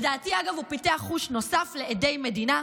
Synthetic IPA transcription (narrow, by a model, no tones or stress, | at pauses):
daːtiaɡavupiteaχuʃno̞safleede̞jme̞dina